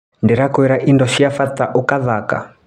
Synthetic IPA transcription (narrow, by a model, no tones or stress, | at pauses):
ndɛɾakuɛɾaʔindɔʃiafat̪aʔukaðaka̰